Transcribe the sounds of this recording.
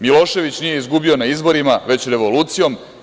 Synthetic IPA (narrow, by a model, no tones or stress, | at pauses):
milˠo̞ːʃe̞ʋit͡ɕnije̞izɡubio̞naizbo̞ɾimaʋe̞t͡ɕɾe̞ʋo̞luːt̪sijo̞m